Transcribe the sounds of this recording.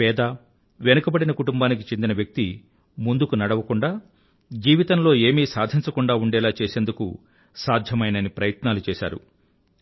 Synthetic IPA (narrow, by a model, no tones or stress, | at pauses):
ɛːd̪a | ʋenɐkɐbɐɽinɐkuʈumbaːnik̬it͡ʃend̪inɐʋjɐk̚t̪i | mund̪ukunɐɽɐʋɐkuɳɖaː | d͡ʒiːʋit̪ɐnlo̞ːe̞ːmiːsaːd̪ʱiɲt͡ʃɐkuɳɖaːuɳɖɛːlaːt͡ʃɛːseːnd̪ukṵ | saːd̪ʱjɐmɐjnɐnipɾɐjɐt̪naːlut͡ʃɛːʃa̰ːɾṵ